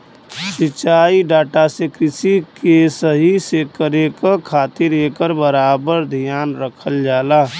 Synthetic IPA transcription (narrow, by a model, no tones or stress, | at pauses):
sɪt͡ʃaːiɖaːʈasekɾɪsikesəɦisekəɾekakʰaːt̪ɪɾeːkəɾbəɾaːbəɾd̪ʱijaːnɾəkʰəld͡ʒaːlaː